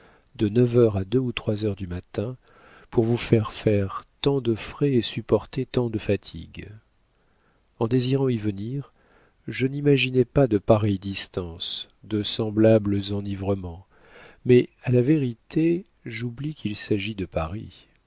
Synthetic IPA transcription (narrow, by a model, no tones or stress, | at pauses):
d̪̥ənəvœʁad̪øut̪χwazœʁd̪ymat̪ɛ̃ | puʁvufɛʁfɛʁt̪ɑ̃d̪əfχɛesypɔʁt̪et̪ɑ̃d̪əfat̪ʰḭɡ | ɑ̃d̪eziʁɑ̃ivəniʁ | ʒənimaʒinɛpad̪əpaʁɛjd̪ist̪ɑ̃s | d̪əsɑ̃blabləzɑ̃nivʁəmɑ̃ | mɛalaveʁit̪e | ʒublikʰilsaʒid̪əpaʁḭ